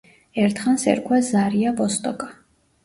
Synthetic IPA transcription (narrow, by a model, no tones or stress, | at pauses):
ɛɾt̪ʰχansɛ̰ɾkʰwazaɾiavɔst̪ʼɔkʼa